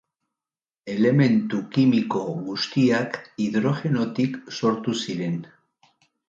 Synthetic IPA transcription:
e̞le̞me̞nt̪ukimiko̞ɣust̪iakiðɾo̞ʝe̞no̞t̪ikso̞ɾt̪usiɾe̞n

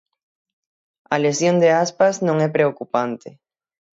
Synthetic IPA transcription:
ɐlesjond̪easpaznõŋɛpɾeokupant̪ɪ

